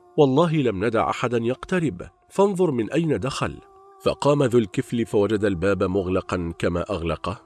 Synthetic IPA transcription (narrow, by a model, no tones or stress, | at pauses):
wɑlˤːɑːɦɪlamnad̪a̰ʕʔa̰ħad̪anjɑqt̪aɾɪb | fɑnðˤʊɾmɪnʔajnad̪axa̰l | fɑ̰qɑːmaðʊːlkɪflɪfawad͡ʒad̪albaːbamʊɣlɑqɑnkama̰ːʔaɣlɑq